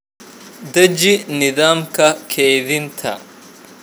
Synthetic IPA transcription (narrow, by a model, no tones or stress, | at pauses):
d̪ɐd͡ʒinɪd̪aːmkɐkʰeːd̪int̪ʰɐ̰